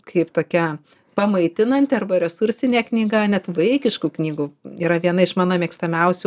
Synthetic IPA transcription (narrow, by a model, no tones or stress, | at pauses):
kʰɐɪpt̪oːkʲɛ | pɐmɐɪt̪ʲɪnɐnʲt̪ʲɪɐrbɐɾʲɛsʊɾʲsʲɪnʲeːknʲiːɡɐnʲɛt̪ʋɐɪkʲɪʃkuːknʲiːɡuiːɾɐʋʲiɛnɐɪʃmɑːnoːmʲiɛkst̪ɐmʲɛʊsʲu